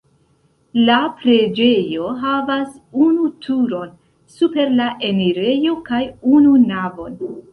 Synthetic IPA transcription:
lapɾe̞d͡ʒe̞jo̞ɦavasunutʰuɾo̞n | supe̞ɾlaʔe̞niɾe̞jo̞kajununavo̞n

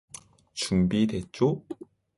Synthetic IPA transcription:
t͡ɕumbidet͡ɕ͈o

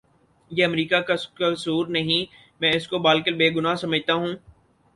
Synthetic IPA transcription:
jeːɐmɾiːkakakɐsuːɾnɐɦĩ | mɛ̃ːɪskobaːlkəlbeːɡʊnaːsɐməd͡ʒʱt̪aɦũː

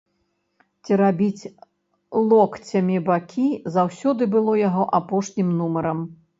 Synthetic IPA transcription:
t͡sʲiɾabʲit͡sʲ | lˠɔkt͡sʲɐmʲibakʲʰizawsʲɔd̪ɨbɨlˠɔjaɣɔʔapɔʂnʲimnumɐɾɐm

